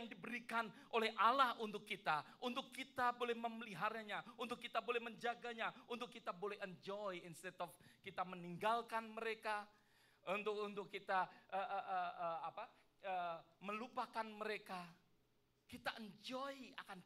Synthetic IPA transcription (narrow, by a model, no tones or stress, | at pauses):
aŋdibəɾikanʔolɛhʔalahunt̪ʊkːit̪aʔunt̪ʊkːit̪abolɛhməməliɦaɾaɲaunt̪ʊkːit̪abolɛhməɲd͡ʒaɡaɲaunt̪ʊkːit̪abolɛɦəɲd͡ʒoiinst̪ɛt̪ɔfkit̪aməniŋɡalkanməɾeka | unt̪ʊkunt̪ʊkːit̪aʔəʔəʔəəapa | əməlupakanməɾeka | kit̪aʔəɲd͡ʒɔiakan